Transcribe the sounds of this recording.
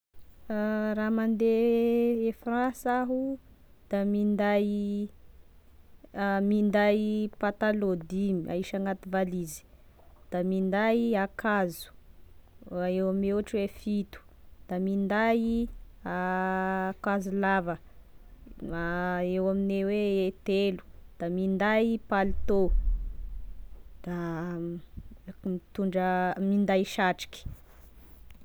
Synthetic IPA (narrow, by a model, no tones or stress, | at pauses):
ramand̪e | efrãsaɦu | d̪̥amind̪aj | mind̪ajpat̪alod̪imia̰iʃaŋɡat̪ivalizi̥ | d̪̥amind̪ajakazu̥ | ewameaʈ͡ʂwefit̪u̥ | d̪̥amind̪ai | a | kazulavə | aewamineweet̪elu̥d̪̥amind̪ajpalit̪o | d̪̥a | mit̪uɳɖ͡ʐəmind̪ajʃaʈ͡ʂi̥kʲi̥